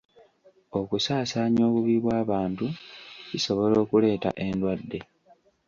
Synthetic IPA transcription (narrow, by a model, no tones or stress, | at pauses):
o̞kusaːsaːɲo̞ːβuβiβwaːβaːntuciso̞βo̞lo̞ːkule̞ːta̰ʔe̞ndwadːe̞